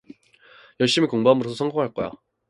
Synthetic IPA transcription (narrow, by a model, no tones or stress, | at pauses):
jʌɭɕ͈imikoŋbamɯɾosʰsʰʌŋɡoŋɦaɭk͈ʌjo̰